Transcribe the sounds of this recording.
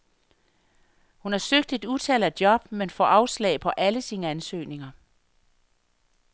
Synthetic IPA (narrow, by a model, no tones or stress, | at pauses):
hunhɑ̈søɡ̥̚d̥e̝d̥ut͡sʰælæd̥jɒ̽b̥menfɒ̰ːʔɑ̈ʊslɛ̰ːɪpʰɒ̽ʔæləsiːnəænsø̰ːne̝ŋɐ